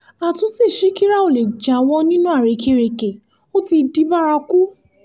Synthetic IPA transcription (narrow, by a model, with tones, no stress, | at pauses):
a˨tũ˦ti˦˨ʃi˦ki˦ɾa˦o˨le˨d͡ʒa˨˦˧w̃ɔ̃˧nĩ˦nũ˦a˦˨ɾe˨˧˨kʰe˧˦˧ɾe˨ke˨ | o˦ti˧di˧˦ba˦ɾa˧ku˦